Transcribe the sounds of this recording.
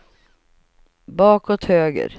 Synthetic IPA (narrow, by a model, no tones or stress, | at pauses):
bɑːkɔt̪høːɡə̰ɾ